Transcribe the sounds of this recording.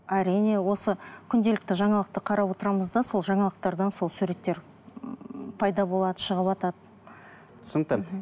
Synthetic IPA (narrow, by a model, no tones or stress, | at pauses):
æɾijne̞wo̞səkʲʰʏnd̪e̞lɪk̚t̪ɪʒɑɴɑlˠəq̚t̪əqʰɑɾɑpwo̞t̪əɾɑməzd̪ɑso̞lˠʒɑɴɑlˠəq̚t̪ɑɾd̪ɑnso̞lˠsʉɾe̞t̪ːe̞ɾ | pʰɑjd̪ɑbo̞lˠɑd̪əʃəʁəpɑt̪ɑd̪ə | t̪ʰʊ̥sənt̪ə